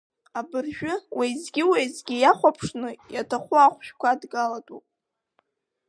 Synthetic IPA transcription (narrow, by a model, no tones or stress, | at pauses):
abɨrʒᶣʊwezɡʲɪwejzɡʲɪjaχʷapʰʂnɨjatʰaχʷʊaχʷʃᶣkʷʰadɡalatʼupʼ